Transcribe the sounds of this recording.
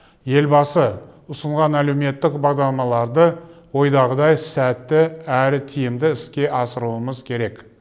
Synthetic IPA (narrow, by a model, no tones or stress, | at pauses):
je̞lbɑsəʊsəɴʁɑnælewme̞t̪ːɪkbɑʁd̪ɑɾlˠɑmɑlˠɑɾd̪ə | wo̞jd̪ɑʁəd̪ɑjsæt̪ːɪæɾɪt̪ʰijɪmd̪ɪɪskʲe̞ʔɑsəɾuəməzkʲʰe̞ɾe̞k